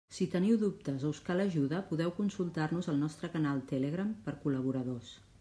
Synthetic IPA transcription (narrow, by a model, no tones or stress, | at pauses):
sit̪əniwðup̚t̪əzowskaləʒuðəpuðɛwkunsulˠt̪arnuzəlˠnɔst̪ɾəkənalˠt̪eleɣ̞ɾampəɾkuləβ̞uɾəðos